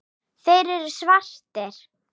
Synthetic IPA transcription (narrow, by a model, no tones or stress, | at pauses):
fejɾɪɾsvar̥t̪ɛɾ̥